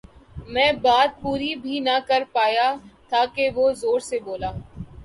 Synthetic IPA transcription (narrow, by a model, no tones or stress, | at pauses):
mɛ̃ːbaːt̪̚puːɾibʱinɐkəɾpaːjat̪ʰaːkeʋozoːɾseboːlaː